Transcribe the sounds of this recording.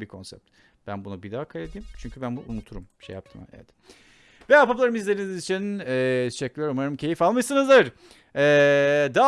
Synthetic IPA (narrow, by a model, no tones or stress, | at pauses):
bikʰo̞nsɛ̰p̚t̪ | b̥ænbunabid̪aːkʰajlʲed̪iːimt͡ʃʰyɲcʰybænbuʔunut̪ʰuɾṵmbiʃeja̰p̚t̪ʰɯma̰ɛ̰vɛt̪ | vɛapaplˠaɾɯmizlʲeɾiniizit͡ʃʰinɛːt̪ʰeʃɛclʲijɾmaɾɯmcʰe̞jifalˠmaʃsɯnɯzd̪ɯɾ | ɛːd̪aː